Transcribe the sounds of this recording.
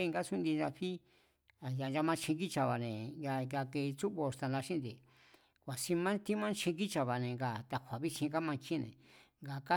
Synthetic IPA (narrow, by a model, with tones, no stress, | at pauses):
e˦˧ŋɡa˦su˦nd̪i˧ʒã˧ɸi˦ | a˨ja˨n˧d͡ʒa˧mã˧˦t͡ʃʰĩ˧ki˦t͡ʃa˧˨βa˨nẽ˨ja˧ja˧ke˧t͡su˦βo˧st̪a˧nla˧ʃĩ˦nd̪i˧ | kʷa˨si˧mã˦t̪i˦mã˦t͡ʃʰĩ˧ki˦t͡ʃa˧βa˨nẽ˨ŋɡa˨t̪a˧kʷa˨βi˦t͡ʃĩ˧ka˦mã˧t͡ʃĩ˦˧nḛ̃˨ŋɡa˨ka˦